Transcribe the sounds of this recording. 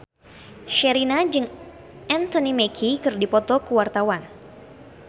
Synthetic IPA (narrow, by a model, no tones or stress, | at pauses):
ʃɛɾinad͡ʒɨŋ | ʔɛnt̪ɔnimɛkʰikɨrdipɔt̪ɔkuwart̪awan